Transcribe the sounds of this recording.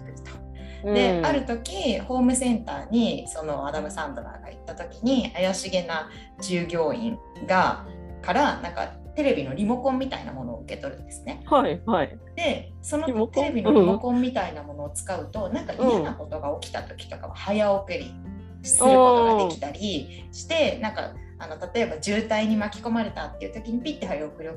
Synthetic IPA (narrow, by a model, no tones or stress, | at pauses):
t̪o̥ | dd̪e̞aɾɯ̟t̪o̞kʲiho̞ːmɯ̟sẽ̞nt̪aːɲ̟iso̞no̞ad̪amɯsãnd̪oɾa̰ːɡ̥a̰it̪ːat̪o̞kʲiɲ̟iajaɕiɡe̞na | d͡ʑɨːɡʲo̞ːḭ̃ŋ | ɡa | kaɾanãŋka̰t̪e̞ɾe̞bʲino̞ɾʲimo̞kõ̞mːʲit̪a̰ḭna̰mo̞no̞̰ːɯ̟ke̞t̪o̞ɾɯ̟̰̃nd̪e̞sɨ̥ne̞haia | d̪̥e̞ | so̞no̞t̪ɾe̞bʲinɾimokõ̞mːʲit̪ainamo̞no̞ːt͡sɨ̥kaɯ̟t̪o̞nãŋkaʔijanako̞t̪o̞ɡaokʲi̥t̪a̰t̪o̞̥kʲi̥t̪o̞ka̰βa̰hajaokɯ̟ɾʲḭ | ɕi̥sɨɯkooɡad̪e̞kʲi̥t̪aɾʲi | ɕi̥t̪e̞nãŋka̰ | ano̞t̪at̪o̞e̞bad͡ʑɨːt̪aiɲ̟imakʲi̥ko̞maɾe̞t̪at̪ːe̞jiɯ̟t̪o̞kʲiɲ̟ipʲit̪ːeɦajaokɯ̟ɾi